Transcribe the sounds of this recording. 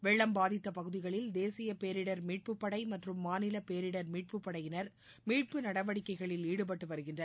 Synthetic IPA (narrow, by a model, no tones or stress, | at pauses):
ʋɛɭːɐmbaːðɪt̪ːɐpɐɣɯðɪɣɐɭɪld̪eːsɪjɐpeːɾɪɽɐɾmiːʈ̚pɯpːɐɽɐɪmɐʈrɯmːaːnɪlɐpeːɾɪɽɐɾmiːʈ̚pɯpːɐɽɐjɪnɐɾ | miːʈ̚pɯnɐɽɐʋɐɽɪkːɐɪɣɐɭɪliːɽɯp̬ɐʈːɯʋɐɾɯɣɪndrɐ